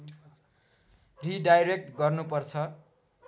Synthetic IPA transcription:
riɖajɾek̚ʈɡʌrnupʌrt͡sʰʌ

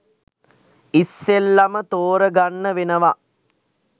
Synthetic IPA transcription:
isːelːamət̪oːɾəɡanːəʋenəʋa

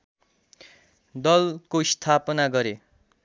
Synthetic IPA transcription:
d̪ʌlkoist̪ʰapʌnaɡʌɾe

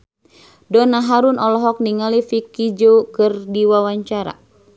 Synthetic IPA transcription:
dɔnaɦaɾunɔlɔɦɔk̚niŋalifikid͡ʒokɨrdiwawaɲt͡ʃaɾa̰

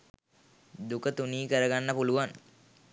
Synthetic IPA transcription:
d̪ukət̪uniːkəɾəɡanːəpuluʋan

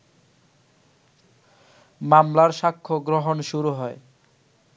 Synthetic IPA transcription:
mamlaɾʃakʰːoɡɾoɦonʃuɾuɦɔe

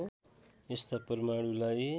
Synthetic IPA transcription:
est̪apʌrmaɽulaj

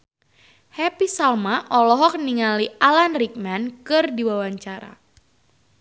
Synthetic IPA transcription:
hɛpisalmaʔɔlɔɦɔk̚niŋaliʔalanrik̚mankɨrdiwawaɲt͡ʃaɾa̰

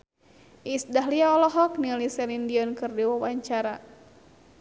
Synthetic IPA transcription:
ʔisdaɦliaɔlɔɦɔk̚nilisɛlindiɔnkɨrdiwawaɲt͡ʃaɾa

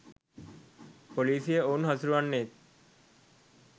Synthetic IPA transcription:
poliːsijəoːnɦɐsuɾuʋanːeːt̪̚

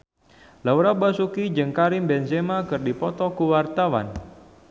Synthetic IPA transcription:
lawɾabasukid͡ʒəŋkaɾɪmbɛnsemakɨrdipɔt̪ɔkuwart̪awa̰n

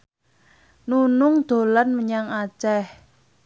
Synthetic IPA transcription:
nunʊŋd̪̥o̤lanməɲaŋat͡ʃɛh

